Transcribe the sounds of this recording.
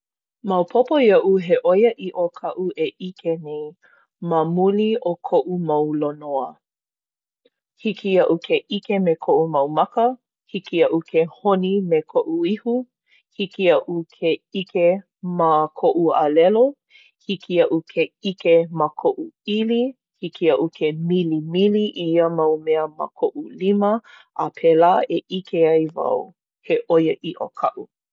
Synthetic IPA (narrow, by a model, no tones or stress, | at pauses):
mɐwpʰopojɐʔuɦeʔojəʔiʔokʰɐʔuʔeʔikʰenej | məmuliʔokʰoʔumɐwlonoə | hikʰiɐʔukʰeʔikemekʰoʔumɐwmɐkə | hikiɐʔukʰehonimekʰoʔuihu | hikiɐʔukʰeike | makʰoʔualɛlo | hikiɐʔukʰeikemakʰoʔuili | hikiɐʔukʰemilimiliʔiiəmɐwmɛəma̰kʰoʔulimə | ʔapʰelaːeʔikeɐjvɐ̰w | heʔojəʔiʔokʰɐʔu